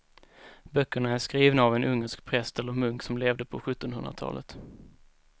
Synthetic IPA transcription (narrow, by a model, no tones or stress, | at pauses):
bœkːəɳaæʂkɾiːvnaːvɛnʔɵŋːəʂk̚pʰɾɛst̪ɛlːəɾmɵŋksɔmleːvd̪əpʰɔɧɵt̪ːɔnɦɵnd̪ɾa̰t̪ʰɑ̰ːlʔə̰t̪